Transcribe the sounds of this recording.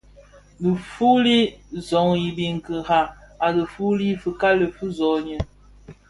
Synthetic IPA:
lə˨fu˦li˦zɔ˨ŋi˨bi˨ŋ˨kə˨ha˨a˨lə˨fu˦li˦fə˨ka˦lə˨fu˦zɔ˨ɲə˨

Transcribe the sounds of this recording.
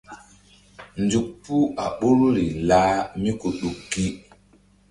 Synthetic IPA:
n˨d͡ʒu˨k̚pu˦a˨ɓo˦ɾu˦ɾi˨la˦mi˦ku˨ɗu˨kkːi˦

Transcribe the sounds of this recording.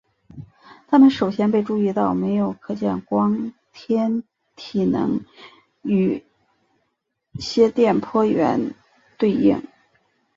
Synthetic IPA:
t̪ʰa˥mə˨nʂo˨˩ʊɕjɛ˥npe˥˧ɪʈ͡ʂu˥˧i˥˧t̪ɑ˥˩ʊme˧˥ɪjo˨˩ʊkʰɤ˨˩t͡ɕjɛ̰˥˩nkwɑ˥ŋt̪ʰjɛ˥n | t̪ʰi˨˩nɤ̰˧˥ŋ | y˨˩ | ɕjɛ˥t̪jɛ˥˩npʰwɔ˥ɥɛ̰˧˥n | t̪we˥˧ɪḭ˥˩ŋ

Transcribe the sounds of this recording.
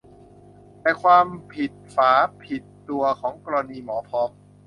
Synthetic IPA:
la˧˩kʰwaː˧mpʰi˨˩t̪̚faː˩˦pʰi˨˩t̪ːu˧ɐkʰɔː˩˦ŋkɔː˧ɾa˧niː˧mɔː˩˦pʰɔː˧˥m

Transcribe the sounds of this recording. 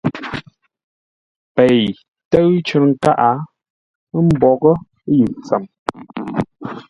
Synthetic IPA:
pe˨j | tə˦ɰt͡ʃʉ˦ɾŋ̩˦ka˦ʔa˨˦ | m̩˦bɔ˨ɣə˦ | jʉ˨t͡sə˨m

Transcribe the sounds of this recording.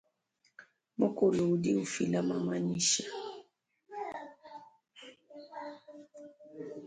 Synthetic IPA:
mu˦ku˨lu˨di˦u˨fi˨la˦ma˨ma˨ɲi˦ʃa˨

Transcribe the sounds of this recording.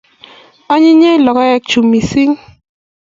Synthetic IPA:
a˦ɲɪ˦ɲe˦lɔ˨kɔ˦ɛ˦k̚t͡ʃu˨mi˨si˦ŋ

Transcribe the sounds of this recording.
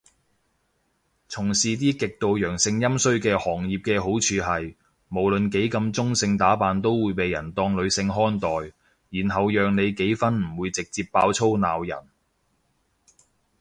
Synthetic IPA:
t͡sʰʊ˨˩ŋsiː˨˧t̪iː˥kɪ˨k̚t̪o˨wjœː˨˩ŋsɪ˧ŋjɐ˥msɵ˥ɥkɛː˧hɔː˨˩ŋjiː˨p̚kɛː˧ɦo˨˥wt͡ʃʰyː˨˧ɦɐ˨j | mo˨˩wlɵ˨nke˨˥jkɐ˧mt͡sʊ˥ŋsɪ˧ŋt̪aː˨˥paː˨nt̪o˥wwuː˨˧jpe˨jːɐ˨˩nt̪ɔː˧ŋlɵ˨˧ɥsɪ˧ŋɦɔː˥nt̪ɔː˨j | jiː˨˩nɦɐ˨wjœː˨ŋne˨˧jke˨˥jfɐ˥nm̩˨˩wuː˨˧jt͡sɪ˨k̚t͡siː˧pːaː˧wt͡sʰo˥wnaː˨wjɐ̰˨˩n

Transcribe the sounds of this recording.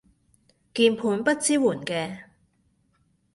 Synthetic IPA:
kiː˧npʰuː˨˥npɐ˥t̚t͡siː˥wuː˨˩nkɛː˧

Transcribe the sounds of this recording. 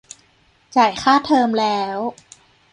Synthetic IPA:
t͡ɕa˨˩jxʰaː˥˩t̪ʰɤː˧mlɛː˦˥w

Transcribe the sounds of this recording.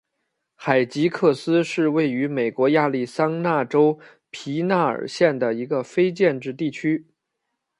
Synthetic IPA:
xa˨˩ɪt͡ɕi˧˥kʰɤ˥˩sɹ̩˥ʂɻ̩˥˧we˥˩ɪy˧˥me˨˩ɪkwɔ˧˥ja˥˧li˥˩sɑ˥ŋna˥˩ʈ͡ʂo˥ʊ | pʰi˧˥na˥˩ə̰˞˨˩ɕjɛ˥˩nd̪ə˩i˧˥ɡə˧fe˥ɪt͡ɕjɛ˥˧nʈ͡ʂɻ̩˥˧t̪i˥˩t͡ɕʰy˥

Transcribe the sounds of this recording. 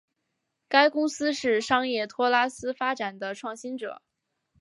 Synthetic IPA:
ka˥ɪkʊ˥ŋsɹ̩˥ʂɻ̩˥˩ʂɑ˥ŋjɛ˥˩t̪ʰwɔ˥la˥sɹ̩˥fa˥ʈ͡ʂa˨˩nd̪ə˦ʈ͡ʂʰwɑ˥˩ŋɕi˥nʈ͡ʂɤ̰˨˩˦

